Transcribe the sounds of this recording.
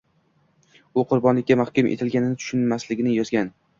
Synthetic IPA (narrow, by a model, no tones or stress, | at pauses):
ʊqʰʊɾbɒnlɪkʲːamahkʲʊmʔḛt̪ʰɪlɡʲanɪnɪt̪ʰʊ̥ʃʊnmaslɪɡʲɪnɪjɒzɡʲan